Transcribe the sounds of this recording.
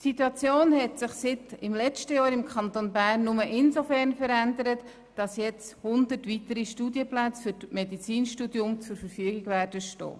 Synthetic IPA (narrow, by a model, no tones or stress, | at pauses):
tsituɑt͡sjoːnhɛtsɪχsɪtɪmlɛt͡ʃtəjɑːɾɪmkʰχɑnt̪onbæːrnːʊməʔɪnsofɛrnfəɾændəɾət | d̥ɑsjɛt͡shʊnd̪ətʋit̪əɾiʃtuːdiəplæt͡sfʏɾtmɛdit͡siːnʃtudjʊmt͡sʊɾfəɾfyəɡɪɡʋæːɾdəʃto̰ː